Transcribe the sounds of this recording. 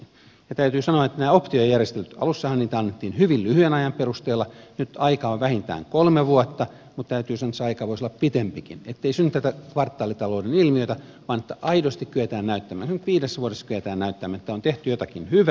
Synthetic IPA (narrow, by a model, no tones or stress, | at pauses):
jɑt̪æyt̪yːsɑnoɑet̪ːænæːopt̪ioejærjest̪elːyt̪ɑ̰lusːɑhɑnniːt̪æɑnːet̪ːiːnhyʋillyhyenɑjɑmperust̪eːlːɑnyt̪ɑikɑoʋʋæhint̪æ̰ːŋkolmeʋuot̪ːɑ | mut̪t̪æyt̪yːsɑnoet̪seɑikɑːʋoisolːɑppit̪empikḭnet̪ːeisynːyt̪ːæt̪ækʋɑrt̪ːɑːlit̪ɑloudenilmiøit̪æ | ʋɑːnet̪ːæʔɑidost̪ikkyet̪æːnnæyt̪ːæmæ̰ːnsenyt̪ʋiːdesːʋuoɾesːɑkyʋet̪æːnnæyt̪ːæmænet̪ːæont̪eht̪yjot̪ɑkinhyʋæ